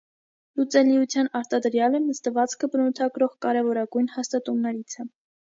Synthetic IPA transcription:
lut͡sɛliut͡sʰjɑnɑɾt̪ɑd̪əɾjɑlɛnəst̪əvɑt͡skʰəbənut̪ʰɑɡɾɔʁkɑɾɛvɔɾɑɡujnhɑst̪ɑt̪umnɛɾit͡sʰə

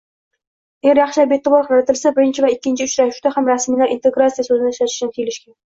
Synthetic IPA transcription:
aɡʲæɾjɑχʃabet̪ːɨbɑɾqʰɾlat̪ʰɪlsabɪɾɪnt͡ʃʰɪvæɪkʲːɪnt͡ʃʰiʊt͡ʃɾæʃʃt̪æhamɾæsmilæɾʔint̪eɡɾat̪sijasɵzɪnɪʃat̪ɪ̥ʃnɪt̪ʰijɪlɪʃkʲɛn

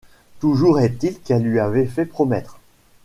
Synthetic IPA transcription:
t̪uʒuʁɛt̪ilkɛlːɥiavɛfɛpχɔmɛt̪χ

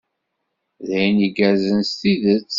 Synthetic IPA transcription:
ðæjnəɡæɾzənst̪iðət͡sː

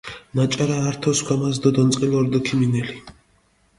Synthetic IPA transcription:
nat͡ʃʼaɾaːɾt̪ʰɔskʰʷwamas̬d̪ɔd̪ɔnt̪sʼqʼilɔɾd̪ɔkʰiminɛli

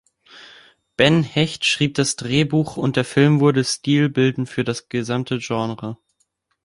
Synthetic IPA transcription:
b̥ɛnhɛçtʃʁ̥iːp̚d̥asd̥ʁeːbuːχʊntd̥eːɐfɪlmvʊɐdəstiːlbɪldn̩fyːɐɾasɡ̥əzamtʰəʒɑnʁə

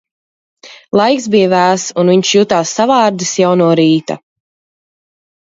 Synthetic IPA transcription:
lˠajksbijavæːsunviɲʃjuːt̪aːsːavɑːɾd̪isjawnuɔɾiːt̪a̰

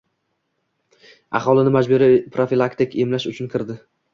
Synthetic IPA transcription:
ɑ̰χɒlˠɪnɪmad͡ʒbʊɾɪpʰɾofilˠakt̪ɪkemlaʃʊt͡ʃʰʊnkʰʲɪɾd̪ɪ

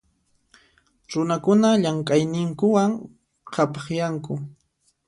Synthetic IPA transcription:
ɾʊnakʊnaʎaŋkʼajnɪŋkʊwaŋ | qʰapɑχjaŋkʊ

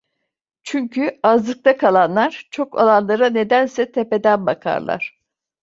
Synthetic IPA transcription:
t͡ʃʰyɲcʰyazlˠɯk̚t̪ʰakʰalˠanlˠaɾ̥t͡ʃʰo̞kʰa̰lˠanlˠaɾane̞d̪ænsɛt̪ʰepe̞d̪ænbakʰa̰ɾlˠa̰ɾ̝̥

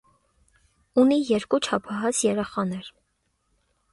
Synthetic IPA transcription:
unijɛɾkut͡ʃʰɑpʰɑɦɑt͡sʰjɛɾɛχɑnɛɾ

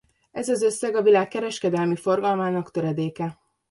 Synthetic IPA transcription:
ɛzɒzø̞sːɛɡɒvilaːkːɛɾɛʃkɛd̪ɛlmifo̞rɡɒlmaːnɒkt̪øɾɛd̪eːkɛ

